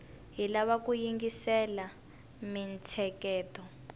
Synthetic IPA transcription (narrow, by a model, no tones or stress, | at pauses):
ɦilaβakujiŋɡisɛla | mint͡sʰɛkɛːtɔ